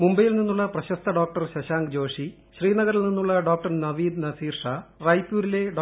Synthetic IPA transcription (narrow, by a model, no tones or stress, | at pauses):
mumbɐjilninːuɭːɐprɐɕɐst̪ʰɐɖoːk̚ʈɐrɕɐɕaːŋɡd͡ʑo̞ːʂi | ɕriːnɐɣɐɾilninːuɭːɐɖoːk̚ʈɐrnɐʋiːd̪nɐsiːrʂaːrɐjpːuːɾile̞ɖ